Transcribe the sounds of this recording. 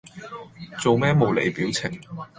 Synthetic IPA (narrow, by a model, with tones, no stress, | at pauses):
t͡so˨wmɛː˥mo˨˧wlḛ˨jpiː˨˥wt͡sʰɪ˨˩ŋ